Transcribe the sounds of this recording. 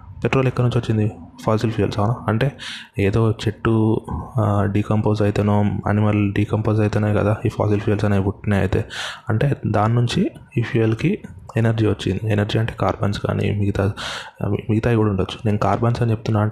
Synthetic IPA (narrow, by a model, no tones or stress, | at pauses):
peʈɾo̞ːlikːɐɾnuɲt͡ʃioɐt͡ʃːind̪ipʰaːsilpʰijɐ̰lsɐʋnɐɐɳʈe̞ːeːd̪o̞ːt͡ʃe̞ʈːu | ɖiːkɐmpoːzɐjit̪enoːɐ̰nimɐlɖiːkɐmpoːsɐjit̪enaːjikɐd̪aːipʰa̰ːsilpʰijɐlsɐnaːjibuʈːineɐ̰jit̪ḛːɐɳʈe̞ːd̪aːnːuɲt͡ʃiiːpʰiɐlkienɐɾd͡ʒiːʋɐt͡ʃːḭnd̪ienɐɾd͡ʒiːɐɳʈeːkaːɾba̰ːnsɡa̰ːnḭmiɡit̪aː | miɡit̪aːjikuːɽaɐuɳɖɐt͡ʃːu̥ne̞ːnukaːɾbansɐnit͡ʃep̚t̪unːaː